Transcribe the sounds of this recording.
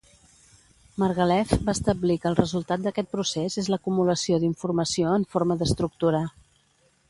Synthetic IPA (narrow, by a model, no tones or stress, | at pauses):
mərɣəlɛfbaəst̪əblikəlˠrəzulˠt̪at̪̚d̪əkɛt̪̚pɾusezezləkumuləsioðiɱfurməsioəɱfoɾməðəst̪ɾuk̚t̪uɾa